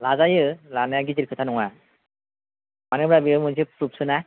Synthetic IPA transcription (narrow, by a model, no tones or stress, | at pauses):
lazajɯlanɯjaɡiziɾkʰɯtʰanɔŋa | manɯbɾabiɯmɯnsipʰɾup̚sɯna